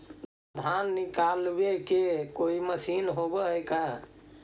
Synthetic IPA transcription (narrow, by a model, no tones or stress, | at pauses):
d̪ʱanːikalbekekoiməsinɦobəɦjka